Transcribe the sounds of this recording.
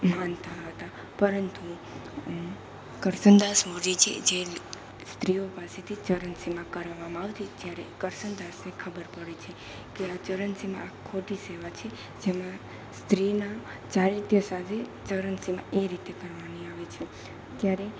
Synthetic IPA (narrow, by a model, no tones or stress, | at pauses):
mant̪aɦət̪a | pəɾənt̪u | kəɾsənd̪asmud͡ʒit͡ʃʰḛd͡ʒe | st̪ɾiopaset̪ʰit͡ʃəɾənsimãkəɾʋaʋamãaʋt̪it̪jaɾekəɾʃənd̪asnekʰəbəɾpəɽet͡ʃʰe | keat͡ʃəɾənsimã̰akʰːoʈiseʋat͡ʃʰe | d͡ʒemã | st̪ɾina | t͡ʃaɾiɾt̪jəsat̪ʰet͡ʃəɾənsimã̰ʔeɾit̪ekəɾʋaniaʋet͡ʃʰe | t̪jaɾe